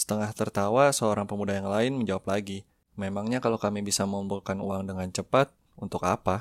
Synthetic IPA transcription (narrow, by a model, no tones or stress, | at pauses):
sə̥t̪əŋaht̪ərt̪awasəoɾaŋpəmudajaŋlaɪnməɲd͡ʒawaplaɡi | memaŋɲakalokamibisaməumbulkanuwaŋdəŋant͡ʃəpat̪̚ | unt̪ʊka̰pa